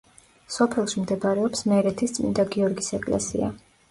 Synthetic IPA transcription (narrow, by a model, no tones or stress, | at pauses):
sɔpʰɛlˠʃimd̪ɛbɾɛɔpsmɛɾɛt̪ʰist̪sʼmḭnd̪aɡiɔɾɡisɛkʼlɛ̰sḭa̰